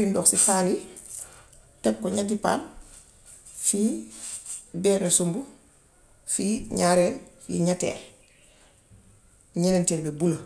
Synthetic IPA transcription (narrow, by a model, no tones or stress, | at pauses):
indɔksifali | tɛkkːɔɲatipa̰ːl | fi | bɛːnesumbu | fiɲaːɾɛ | jḭɲatɛ̰ː | ɲɐnɛntɛlbebulɐ